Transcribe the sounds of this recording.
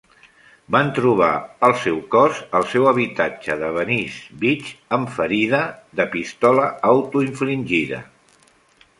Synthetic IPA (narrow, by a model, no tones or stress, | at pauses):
bant̪ɾuβ̞a̰əlˠsɛwkɔzəlˠsɛwəβ̞it̪ad͡ʒəðəβənizbit͡ʃəɱfəɾiðəðəpist̪ɔləawt̪uiɱflinʲʒiðə̰